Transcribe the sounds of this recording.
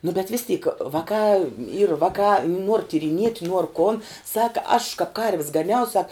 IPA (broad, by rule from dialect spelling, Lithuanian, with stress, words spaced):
nʊ bʲɛt ʋʲɪs tʲiːk ˈʋɑːkɑː iːr ˈʋɑːkɑː nuɔr tʲiːrʲɪˈnʲiɛtʲ nuɔr koːn ˈsɑːkɐ ɐʃ kɐp kɐrʲʋʲs ɡɐˈnʲɛʊ sɐk